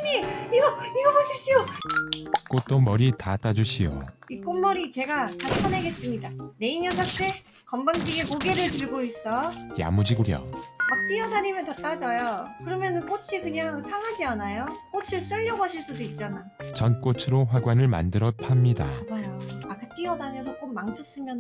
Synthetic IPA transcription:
ɲiiɡʌiɡʌboɕʰip̚ɕ͈io | k͈ot̚t͈omʌɾitat͈ad͡ʑuɕʰijo̰ik͈onmʌɾit͡ɕe̞ɡakat͡ɕt͡ɕʰʌne̞ɡe̞s͈ɯmɲidane̞injʌsʰʌk̚t͈e̞ | kʌmbaŋd͡ʑiɡemoɡe̞ɾɯɭtɯɭɡois͈ʌja̰mud͡ʑiɡuɾjʌ̰mak̚t͈iʌdaɲimjʌntat͈ad͡ʑʌjokɯɾʌmjʌnɯnk͈ot͡ɕʰikɯɲaŋsʰaŋad͡ʑianajok͈ot͡ɕʰɯɭs͈ɯʎːʌɡʌɕʰiɭs͈udoik̚t͡ɕ͈anat͡ɕʌnk͈ot͡ɕʰɯɾoɸwaɡwanɯɭma̰ndɯɾʌpʰamɲida̰bajoak͈at͈iʌdaɲʌsʰʌk͈omːaŋt͡ɕʰʌs͈ɯmjʌn

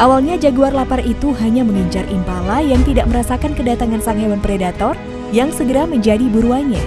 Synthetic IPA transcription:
ʔawalɲad͡ʒaɡuarlaparit̪uɦaɲaməŋəɲt͡ʃarʔimpalajaŋt̪idaʔ̚məɾasakankədat̪aŋansaŋɦewanpɾedat̪ɔr | jaŋsəɡəɾaməɲd͡ʒadibuɾuaɲa

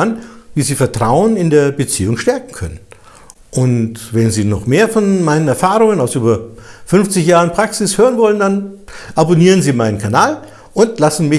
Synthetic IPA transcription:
anviːziːfɛɐtʁ̥aʊənɪndeːɐbət͡siːʊŋʃtɛɐkŋ̩kʰœ̰nən | ʔʊntvɛnziːnɔχmeːɐfɔnmaɪnənɛɐfaːʁʊŋənaʊsʔyːbɐfʏnft͡sɪçjaːʁənpʁ̥aksɪshøːʁənvɔləndanʔaboniːʁənziːmaɪnənkʰanaːl | ʔʊntlasn̩mɪ

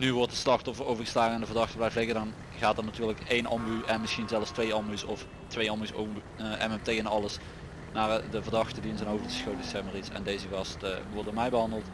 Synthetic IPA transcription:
nyʋɔɹtəslɑxtɔfərowvəɹɣəstlaːɣənɛndəvərdɑxtəblɛjflɪɣədɑn | ɣaːtənatyːɹləkejnɑmbyʔɛnmɪsxinzɛlˠfstʋejɑmbysɔf | tʋejɑmbyso̰ | ʔɛ̰mɛmtejɛnɑləs | naːrdəvərdɑxtədiɪnzənɦowvədəsxowtdesɛmərisɛ̰ndejzəɣɑstʋɔrdoːɹmɛjbəɦɑndəlˠt

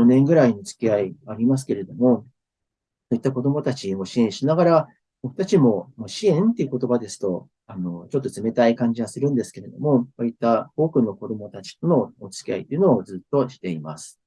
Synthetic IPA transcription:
onẽ̞ŋɡɯ̟ɾainot͡sɨ̥kʲiaiaɾʲimas̬ɨ̥ke̞ɾe̞d̪o̞mo̞ | soit̪ːako̞d̪o̞mo̞t̪at͡ɕiɡo̞ɕiẽ̞ɰ̃ɕinaɡaɾa | b̥o̞kɯ̟̥t̪at͡ɕimo̞moɕiẽ̞nt̪eiɯ̟ko̞t̪o̞bad̪e̞sɨ̥t̪o̞ | ano̞t͡ɕo̞t̪ːo̞t͡sɨme̞t̪aikãɲ̟d͡ʑiɡasɨɾɯ̟̃nd̪e̞sɨ̥ke̞ɾe̞d̪o̞̰mo̞βait̪ːao̞ːkɯ̟no̞ko̞d̪o̞mo̞t̪at͡ɕi̥t̪ono̞ːt͡sɨ̥kʲia̰it̪ːeiɯ̟noːd͡zɨt̪ːo̞ɕi̥t̪e̞imasɨ̥

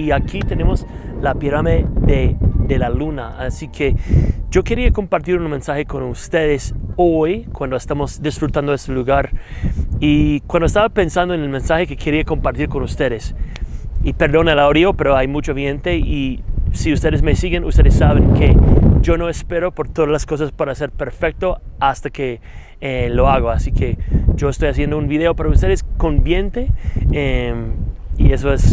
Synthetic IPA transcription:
iakʰit̪enemoslapiɾameðeðelalunaasikʰed͡ʒoke̞ɾiako̞mpaɾt̪iɾunmẽ̞nsaxekonust̪eðesojkwand̪oest̪amosd̪isfɾut̪and̪oest̪eluɣaɾ | ikwand̪oest̪aβapensand̪oenelmensaxekekʰeɾiako̞mpaɾt̪iɾkonust̪eðes | ipe̞ɾðo̞nelaoɾiope̞ɾoajmut͡ʃoβjent̪eisiust̪e̞ðezmesiɣenṵst̪e̞ðesːaβeŋked͡ʒo̞noespeɾopo̞ɾt̪oðazlasko̞s̬aspaɾaseɾpe̞ɾfek̚t̪oast̪ake | elo̞aɣoasikʰed͡ʒo̞est̪o̞jas̬je̞nd̪ounbiðeopaɾaust̪e̞ðesko̞nbjent̪eemiesoes

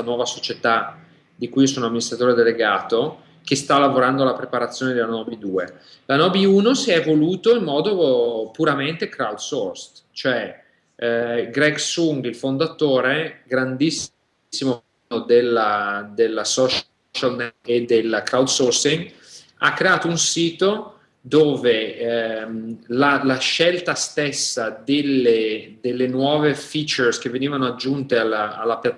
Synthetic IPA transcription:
anwɔːvasot͡ʃet̪a | d̪ikujiosoːnoamːinist̪ɾat̪oːɾed̪eleɡaːt̪o | k̟est̪alːavoɾand̪oalapɾepaɾat̪sːjoːned̪elanɔːbid̪uːe | lanɔːbiuːnosiɛvoluːt̪oimːɔːd̪opuɾament̪ekɾawd̪sorst̪t͡ʃoɛ | ɡɾɛɡsuŋɡilfond̪at̪oːɾeɡɾand̪is | sːimo | od̪elad̪elːasɔʃ | t͡ʃalnɛed̪elkɾawd̪sɔɾsiŋɡ | a̰kːɾeaːt̪ounsiːt̪o | d̪oːve | lalaʃɛlt̪ast̪esːad̪elːed̪elːenwɔːvefit͡ʃɛɾsk̟eveniːvanoad͡ʒːunt̪ealaa̰lːapjat̪ː

